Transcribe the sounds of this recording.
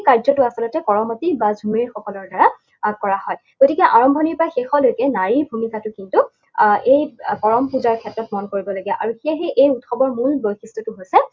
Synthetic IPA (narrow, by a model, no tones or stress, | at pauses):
kaɹzɔtʊasɔlɔtɛkɔɹɔmɔtibazʱumiɹxɔkɔlɔɹdaɹa | kɔɹahɔjɡotikɛʔaɹɔmbʱɔniɹpɹaxexɔdojkɛnaɹibʱumikatʊkintu | ejpɔɹɔmpuzaɹkʰɛtɹɔt̚mɔnkoɹibɔloɡiɛʔaɹuxijaɦeʔejutxɔbɔɹmulbojxistɹɔtʊɦojsɛ